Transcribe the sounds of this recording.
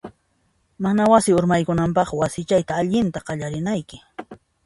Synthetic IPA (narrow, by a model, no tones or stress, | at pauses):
manawasɪʊɾmajkʊnampɑχwasɪt͡ʃajt̪aːʎɪnt̪aqɑʎaɾɪnajkɪ̥